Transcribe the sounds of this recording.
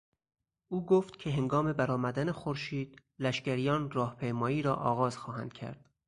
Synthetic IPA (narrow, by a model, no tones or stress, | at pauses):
ʔuːɡoːft̪cʲʰe̞ɦe̞ŋɡɒːme̞bæɾɒːmæd̪ænexoɾʃiːd̪̥ | læʃcæɾijɒːnrɒːhpʰejmɒːiːɾɒːʔɒ̰ːɣɒːz̥xɒːhæ̰nd̪̥cʲʰæ̰ɾd̪̥